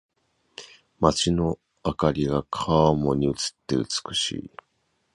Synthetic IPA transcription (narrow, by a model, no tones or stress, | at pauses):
mat͡ɕino̞ | akaɾʲiɡakʰamo̞ɲ̟iɯ̟t͡sɨ̥t̪ːe̞ɯ̟t͡sɨ̥kɯ̟̥ɕḭː